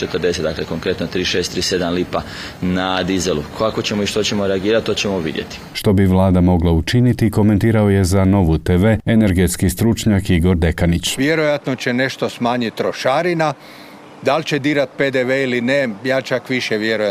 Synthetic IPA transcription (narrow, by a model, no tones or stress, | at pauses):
t͡ʃet̪əɾd̪e̞set̪d̪akleko̞ŋkɾe̞t̪not̪ɾiːʃeːst̪ɾiːse̞d̪amlipa | nad̪izelukʰoakot͡ɕemoiʃt̪ot͡ɕemoɾeaɡiːɾat̪̚t̪ːot͡ɕemoʋḭd̪jḛt̪i̥ʃt̪o̞biʋlˠaːd̪amo̞ɡlaut͡ʃinit̪iko̞me̞nt̪iːɾao̞je̞zano̞ʋut̪eːʋe̞ene̞ɾɡe̞t̪skist̪ɾut͡ʃɲakiɡo̞ɾd̪e̞kanit͡ɕʋjeɾojat̪not͡ɕe̞ne̞ʃt̪o̞smaːɲit̪ːɾoʃaɾina | d̪alʲt͡ɕed̪iːɾat̪̚ped̪eʋeilinejaːt͡ʃakʋiʃeʋjeɾoja